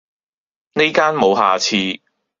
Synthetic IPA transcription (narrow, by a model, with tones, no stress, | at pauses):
ne˥jkaː˥nmo˨˧wɦaː˨t͡sʰiː˧